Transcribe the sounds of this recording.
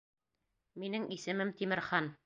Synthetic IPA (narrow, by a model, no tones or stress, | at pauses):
minɘŋʔisɘ̆mɘmt̪imɘ̆ɾχɑn